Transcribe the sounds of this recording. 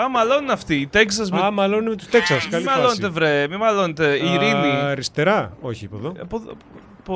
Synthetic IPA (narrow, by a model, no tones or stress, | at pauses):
ɐmɐloniɐft̪iːt̪eksɐs̬memɐlonunemet̪u̥st̪eksɐsmkɐlimɐlonet̪evɾemimɐlonet̪eiɾiniɾist̪eɾɐoçiipoðopo | p